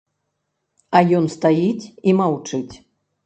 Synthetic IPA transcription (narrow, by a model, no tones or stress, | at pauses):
ɐjɔnst̪ajit͡sʲimawt͡ʂɨt͡sʲ